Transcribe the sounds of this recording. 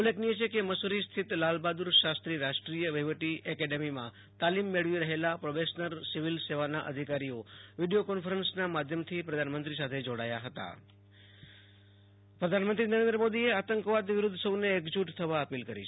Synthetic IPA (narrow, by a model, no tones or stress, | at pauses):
uleknijet͡ʃʰekeməsuɾist̪ʰit̪lalbad̪uɾʃast̪ɾiɾaʃʈɾijəʋəɦiʋəʈiʔəkɛɖemimã̰ | t̪alimːeɭʋiɾəɦelapɾobeʃnəɾsiʋilseʋanaʔə̰d̪ʱikaɾioʋiɖijokɔnfəɾənsnamad̪ʱjəmt̪ʰipɾəd̪ʱanmənt̪ɾisat̪ʰed͡ʒoɽa̰jaɦət̪a̰ | pɾəd̪ʱanmənt̪ɾinəɾẽnd̪ɾəmod̪ieat̪əŋkʋad̪ʋɪɾʊd̪ʱːsəwneːkd͡ʒuʈt̪ʰəʋaəpilkəɾḭt͡ʃʰ